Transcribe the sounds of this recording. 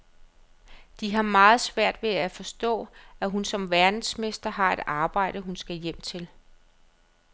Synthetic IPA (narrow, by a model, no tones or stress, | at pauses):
d̥iɦɑ̈mɑ̈ːð̞̩ˠsʋæɐ̰d̥ʋe̝æfɒ̽sd̥ɔ̰̽ːæɦunsɒ̽mʋæɐd̥n̩sme̝sd̥ɐɦɑ̈e̝d̥ɑ̈ːb̥ɑ̈ɪ̰ɾ̥əɦunsɡ̥æjem̰t͡sʰe̝l